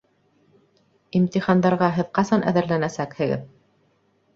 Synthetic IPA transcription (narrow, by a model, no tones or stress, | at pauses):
imt̪iχɑnd̪ɑɾʁɑɦɘðqɑsɑnʔæ̰ðɘ̆ɾlænæsækhɘ̆ɡɘ̰ð